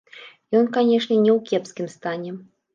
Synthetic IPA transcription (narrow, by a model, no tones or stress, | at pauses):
jɔnkanʲɛʂnʲɛnʲɛwkʲɛpskʲimst̪anʲɛ